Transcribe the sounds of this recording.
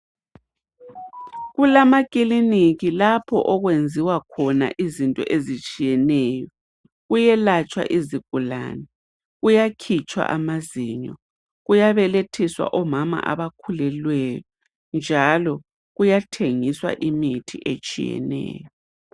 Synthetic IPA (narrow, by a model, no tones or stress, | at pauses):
ɣulamakʼiliniɣilapʰɔ̰ʔɔɣwend͡zʱiwakʰɔna̰ʔizintʼɔ̰ʔezit͡ʃʼijɛnɛːjɔ | ɣujɛlat͡ʃʼwa̰ʔiziɣ̥̚ʱula̰ːnɛ | ɣujakʰit͡ʃʼwa̰ʔamaziɲɔ̰ | ɣujaβɛletʰiswa̰ʔɔmama̰ʔa̰βakʰulɛlwɛjɔ | nd͡ʒʱalɔ | ɣujatʰeŋiswa̰ʔimitʰḭʔḛt͡ʃʼḭjɛ̰nɛ̰ːjɔ